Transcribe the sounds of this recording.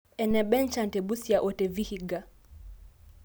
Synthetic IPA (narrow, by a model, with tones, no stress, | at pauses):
ɛ˨nɛ˨ɓɛ˦n˦t͡ʃa˨n˨tɛ˨ɓu˦si˦a˨ʔɔ˨tɛ˨vi˦hi˨ɡa˨